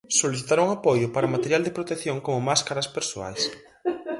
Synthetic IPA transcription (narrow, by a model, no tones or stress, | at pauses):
soliθit̪aɾuŋapojʊpaɾɐomat̪eɾjald̪epɾot̪ekθjoŋkomʊmaskaɾɐspeɾsoa̰js